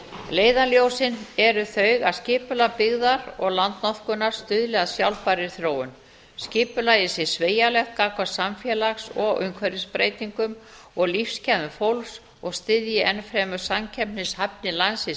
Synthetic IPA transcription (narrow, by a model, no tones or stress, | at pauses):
leːjðaljowsɪnɛɾʏθœɥɣaðscɪːpʏlapɪɣðaɾɔɣlant̪nɔθkʏnaɾ̥st̪ʏðlɛɣaðsjawlpaɾɪɾ̥θɾoːwʏn | scɪːpʏlaɪsjɪ̥sveːjalɛhkakvaɾsamfjɛlaxsɔɣʏ̰ŋkʰvɛɾɪspɾeːjt̪iŋkʏm | ɔɣlifscʰɛðʏfowls | ɔɣst̪ɪðjɪʔɛnfɾɛːmʏ̥samcʰɛpnɪshapnɪlansɪs